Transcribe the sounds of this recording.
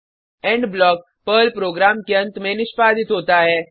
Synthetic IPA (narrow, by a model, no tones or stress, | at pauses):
ɛ̃ːɳɖblɔːk̚ | pəːlpɾoːɡɾaːmkeɐ̃nt̪mẽnɪʃpaːd̪ɪt̪ɦoːt̪aɦɛː